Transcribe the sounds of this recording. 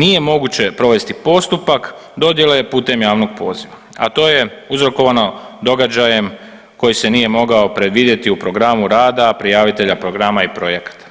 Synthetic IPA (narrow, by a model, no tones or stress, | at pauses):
nije̞mo̞ɡut͡ɕe̞pɾo̞ʋe̞st̪ipo̞st̪upak | d̪o̞d̪je̞lepuːt̪e̞mjaːʋno̞ɡ̚po̞ːziʋa | a̰t̪o̞ːje̞uzɾo̞ko̞ʋanod̪o̞ɡad͡ʒaje̞m | ko̞jise̞nije̞mo̞ɡao̞pɾe̞d̪ʋiːd̪je̞t̪iupɾo̞ɡɾamuɾaːd̪apɾijaːʋit̪e̞ʎapɾo̞ɡɾamaipɾo̞je̞kḁt̪ḁ